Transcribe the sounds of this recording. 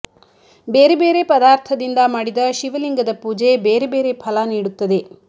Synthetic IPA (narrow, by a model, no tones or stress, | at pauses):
beːɾebe̞ːɾe̞pɐd̪aːɾt̪ʰɐd̪ind̪ɐmaːɽid̪ɐʃiʋɐliŋɡɐd̪ɐpuːd͡ʒe̞beːɾebeːɾe̞pʰɐlɐniːɽut̪ːɐd̪e̞